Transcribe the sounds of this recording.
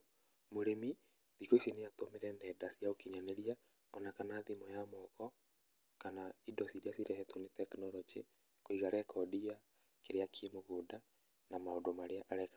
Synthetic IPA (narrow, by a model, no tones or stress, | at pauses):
moɾemi | ðikoisineatomeɾɛndɛdasjaokiɲaneɾia | ɔnakanaðimɔjamɔɣɔ | kanaidɔsiɾeasiɾɛhɛtonetɛknɔɾɔd͡ʒḛ | koiɣaɾɛkʰɔdia | keɾeakʰemoɣoda | namaodomaɾeaʔaɾɛka